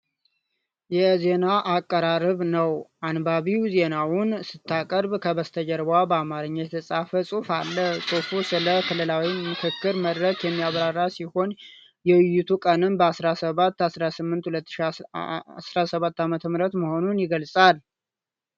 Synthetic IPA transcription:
jɛze̞naʔakʼːəɾaɾɨβnəwanbaβiwze̞nawʊnsɨt̪ːakʼəɾbkʰəβəst̪ʰəd͡ʒɛɾbabəamaɾɨɲːət̪ʰəsʼafəsʼufalːəhsʼufusɨləkʰɨlɨlawimɨkʰɨkːɨɾməd̪ɾəkjɛmːiaβɾarːasiho̞n | jɛwɨjːut̪ʰukʼənɨmbəasɾasəβat̪ːasɾasɨmːɨnt̪hulət̪ːʃi | sɾasəβat̪ːamət̪ʰəmɨɾət̪məho̞nunjɪɡəlsʼal

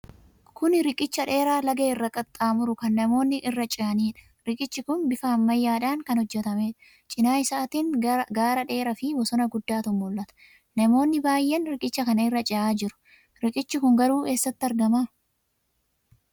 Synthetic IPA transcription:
kʊnɾɪkʼɪt͡ʃːɐᶑe̞ːɾaːlɐɡeːɪrːɐkʼɐt̪ʼːaːmʊɾʊkɐnːɐmo̞ːnːɪʔɪrːɐt͡ʃʼɪɐniːᶑɐ̥ | ɾɪkʼɪt͡ʃːɪkʊnbɪfaːmːɐjːaːᶑaːŋkɐnhɔd͡ʒːɛt̪ɐme̞ːᶑɐ̥ | t͡ʃʼɪnaːɪsaːt̪iːŋɡaːɾɐᶑe̞ːɾɐfɪbɔsɔnɐɡʊd̪ːaːt̪ʊmːʊlːɐt̪ɐ̥ | nɐmo̞ːnːɪbaːjːɛnɾɪkʼɪt͡ʃːɐkɐnɐɪrːɐt͡ʃʼɪaːd͡ʒɪɾʊ̥ | ɾɪkʼɪt͡ʃːɪkʊŋɡɐɾuːe̞ːsːɐt̪ːɪɐɾɡɐmaː

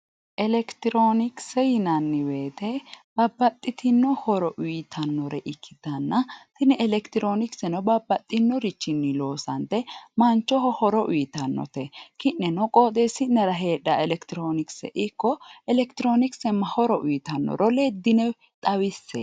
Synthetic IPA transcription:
ʔɛlɛkt̪ɪɾoːnɪksɛjɪnɐnːɪweːt̪ɛb̥ɐbːɐt̪ʼːɪt̪ʰɪnːɔhɔɾɔʔʊjt̪ʰɐnːɔɾɛʔɪkʰːɪd̪ɐnːɐt̪ɪnɛʔɛlɛkt̪ɪɾo̞ːnɪksɛnɔbɐbːɐt̪ʼːɪnːɔɾɪt͡ʃːɪnːɪlo̞ːsɐnt̪ɛmɐnt͡ʃːɔhɔhɔɾɔʔʊjɪt̪ɐnːɔ̰t̪ɛkɪʔːɛnɔkʼoːt̪ʼesːɪnɛɾɐɦeːᶑːɐɛlɛkt̪ɪɾoːnɪksɛ̰ʔɪkːɔɛlɛkt̪ɪɾo̞ːnɪksɛmːɐhɔɾɔʔʊjt̪ɐnːɔ̰ɾɔleːd̪ːɪnɛ | t̪ʼɐwɪsːɛ̰

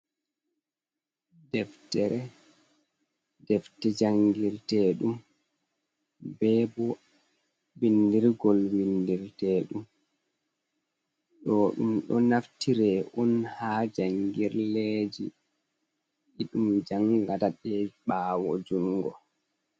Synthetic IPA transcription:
dɛftɛɾɛ | dɛftɛd͡ʒaŋɡiɾtɛːɗum | bɛbɔ | windiɾɡɔlwindiɾtɛːɗum | ɗɔɗṵmɗɔnaftʰiɾɛʔɔnhaːd͡ʒaŋɡiɾled͡ʒḭ | iɗumd͡ʒaŋɡataɗɛɓaːwɔd͡ʒuŋɡɔ̰

